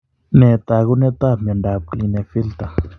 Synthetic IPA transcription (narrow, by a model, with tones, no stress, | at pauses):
nẽ˨t̪a˨ɣu˦nɛ˦t̪a˦mɛ˨nɖa˨p̚kli˧ne˧fi˦lt̪a˨